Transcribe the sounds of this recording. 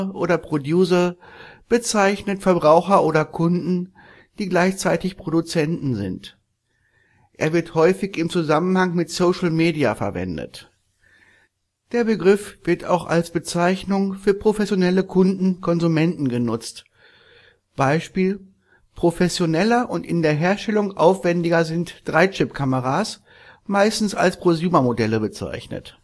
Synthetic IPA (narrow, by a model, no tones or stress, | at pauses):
ʔoːɾɐpʁ̥odjuːzɐb̥ət͡saɪçnətfɛɐbʁaʊxɐʔoːɾɐkʰʊndn̩ | d̥iːɡlaɪçt͡saɪtɪçpʁ̥odut͡sɛntn̩zɪ̰nt | ʔḛːɐvɪɐthɔʏfɪçɪmt͡suzamən̩haŋmɪtsoʊʃl̩meːdia̰fɛ̰ɐvɛ̰ndə̰t | d̥eːɐbəɡʁɪfv̥ɪɐta̰ʊxa̰lsb̥ət͡saɪçnʊŋfyːɐpʁ̥ofɛsjonɛləkʰʊndn̩kʰɔnzumɛntn̩ɡənʊt͡st | b̥aɪʃpiːl | pʁ̥ofɛsjonɛlɐʔʊntʔɪndeːɐɦeːɐʃtɛlʊŋʔa̰ʊfv̥ɛndɪɡɐzɪntd̥ʁaɪt͡ʃɪpkʰaməʁas | maɪstn̩sa̰lspʁ̥ozjuːmɐmodɛləbət͡sa̰ɪçnə̰t